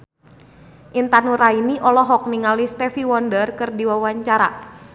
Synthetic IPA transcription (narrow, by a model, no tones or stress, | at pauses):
ʔint̪anuɾainiʔɔlɔɦɔk̚niŋalist̪ɛfiwɔndərkɨrdiwawaɲt͡ʃaɾa̰